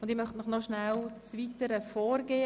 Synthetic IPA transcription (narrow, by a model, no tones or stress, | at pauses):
ʊnd̪ɪmœχtmɪχnɔʃnælt͡svitəɾəfɔːɾɡeː